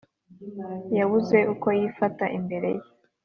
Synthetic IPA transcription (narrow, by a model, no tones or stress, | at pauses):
jaβuze̞ʔuko̞jifataʔimbe̞ɾe̞̰je